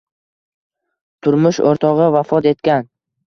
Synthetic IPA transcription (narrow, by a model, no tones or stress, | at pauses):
t̪ʰʊɾmʊʃo̰ɾt̪ʰɒʁɨvafɒt̪e̞t̪kʲan